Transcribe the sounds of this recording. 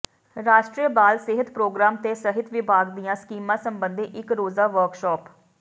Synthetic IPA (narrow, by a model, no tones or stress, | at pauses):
ɾaːʃʈɾiəbaːlseɦət̪pɾoːɡɾaːmt̪eːsəɦɪt̪ʋɪbʱaːɡd̪ijãːskiːmãːsəmbənd̪ʱeʔɪkɾoːzaːʋəɾkʃɔːp